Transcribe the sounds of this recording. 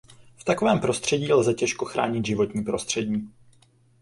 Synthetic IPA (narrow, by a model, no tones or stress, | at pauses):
ft̪akovɛːmpɾo̞st̪r̝̥ɛɟiːlzɛcɛʃko̞xɾa̰ːɲɪd̪ʒɪvo̞t̪ɲiːpɾo̞st̪r̝̥ɛɟiː